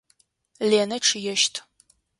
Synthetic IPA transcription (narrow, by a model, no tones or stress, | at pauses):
leːnɐʈ͡ʂʰjɛʃtʰʼ